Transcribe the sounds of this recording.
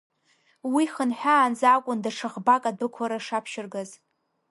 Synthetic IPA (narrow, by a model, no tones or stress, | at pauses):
wiχənħᶣaːnzakʷʼʊndaʈ͡ʂʰɨʁbakʼadɨkʷʰaɾaʂapʰʃɪrɡaz